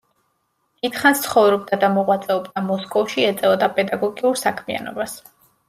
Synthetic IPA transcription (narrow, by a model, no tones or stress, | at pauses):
d̪̥it̪ʰχanst̪sʰχɔvɾɔb̚d̪ad̪amɔʁwat̪sʼɛɔbd̪amɔskʼɔfʃiɛt̪sʼɛɔd̪apʼɛd̪aɡɔɡiuɾsakʰmia̰nɔ̰bas